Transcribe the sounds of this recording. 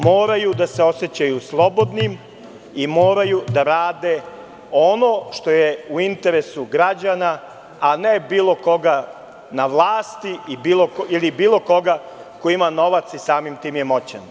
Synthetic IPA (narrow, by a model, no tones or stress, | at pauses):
mo̞ːɾajud̪ase̞o̞se̞t͡ɕajuslˠo̞bo̞d̪nim | imo̞ːɾajud̪aɾaːd̪e | o̞no̞ʃt̪o̞jeuint̪e̞ɾesuɡɾad͡ʑanaː | ne̞biːlˠo̞ko̞ɡa | naʋlˠaːst̪iibiːlˠokilibiːlˠo̞ko̞ɡa | koimano̞ʋat̪sisaːmimt̪iːmjemo̞t͡ɕen